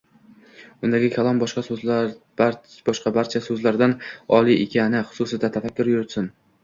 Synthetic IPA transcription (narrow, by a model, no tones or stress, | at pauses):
ʊnd̪aɡʲɪkʲʰalˠɒmbɒʃqɑs | b̥ɒʃqɑbaɾt͡ʃʰasɵzlaɾd̪anɒlˠiʔekʲʰanɪχʊ̥sʊsɪd̪at̪ʰafakʲːʊɾjʊɾɪt̪sɪn